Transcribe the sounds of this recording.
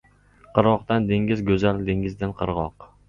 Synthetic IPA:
qʰɨɾʁɒqt̪and̪eŋɡʲɪzɡʲɵzald̪eŋɪzd̪anqʰɨɾʁɒq

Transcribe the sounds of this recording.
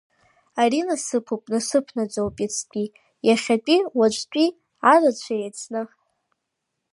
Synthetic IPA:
aɾinasɨpʰupʼnasɨpʰnad͡zowpʼat͡sʰtʷʼi | jaχʲatʷʼiwat͡ʃʷʼtʷʼi | arat͡ɕʷʰajat͡sʼʰnɨ

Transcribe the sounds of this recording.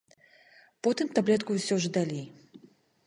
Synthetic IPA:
pɔt̪ɨmt̪ablʲɛt̪kuwsʲɔʐd̪alʲij

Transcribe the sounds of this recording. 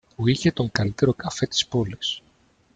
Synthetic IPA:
puiçe̞t̪o̞ŋkɐlit̪e̞ɾo̞kɐfe̞t̪i̥spo̞lis

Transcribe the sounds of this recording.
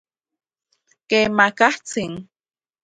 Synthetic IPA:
kemakaht͡siŋ

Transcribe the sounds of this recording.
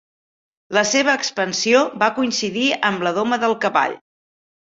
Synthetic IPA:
ləseβ̞əːkspənsiobakuinsiðiəmləðoməðəlˠkəβa̰ʎ

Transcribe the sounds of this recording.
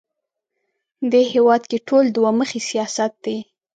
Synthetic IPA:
d̪eɦewɑd̪keʈʰold̪waməxesijɑsat̪̚d̪e

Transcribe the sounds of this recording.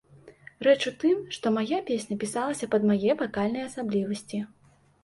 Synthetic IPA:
rɛt͡ʂut̪ɨmʂt̪ɔmajapʲesʲnʲɐpʲisalˠɐsʲɐpɐd̪majɛbakalʲnɐjɐsablʲivɐsʲt͡sʲi

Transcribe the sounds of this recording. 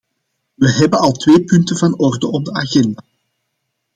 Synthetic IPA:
ʋəɦɛbənɑlˠtʋeːpʏntəvɑnɔrdəʔɔb̚dəaɣɛndaː

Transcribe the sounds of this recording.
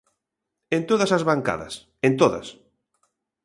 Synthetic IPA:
ẽnt̪oðɐsazβaŋka̰ðɐ̰s | ent̪oðɐ̰s

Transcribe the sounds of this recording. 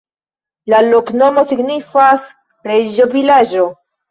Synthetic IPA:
lalokno̞mo̞siɡnifas | ɾed͡ʒovilaʒo̞

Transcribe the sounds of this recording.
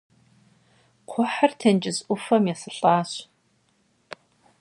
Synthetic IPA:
qʷʰɔħartʰɐnd͡ʒʼɪzʔʷʊfɐmjasɨɬʼaːɕ

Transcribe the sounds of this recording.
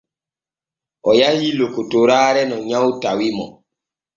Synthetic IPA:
ɔjahilokotoɾaːɾɛnɔɲãwtawimɔ

